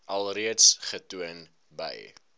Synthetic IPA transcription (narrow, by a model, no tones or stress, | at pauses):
ʔɐlˠriətsχətuən | bə̰j